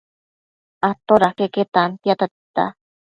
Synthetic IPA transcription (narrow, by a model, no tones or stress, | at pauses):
at̪oɾakeket̪ant̪jat̪at̪i̥t̪a̰